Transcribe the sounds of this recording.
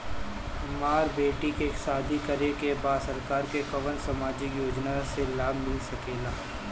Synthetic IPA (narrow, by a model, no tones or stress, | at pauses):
maːɾbeːʈikeːksaːd̪ʱikɐɾekebaːsɐɾkaːɾkekɐʋənsɐmaːd͡ʒikjoːd͡ʒnaselaːbmɪlsɐkeːlaː